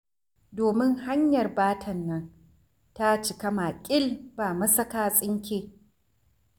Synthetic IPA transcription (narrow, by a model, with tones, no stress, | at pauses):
doː˨mɪ˦ŋha˦ɲjɐ˨rbaː˦tʰɐ˨nːɐ˦n | ta˦t͡ʃɪ˨kɐ˦maː˨kʲʼɪ˦lbaː˨mɐ˦sɐ˦kaː˦sʼɪ˦ŋkʲeː˦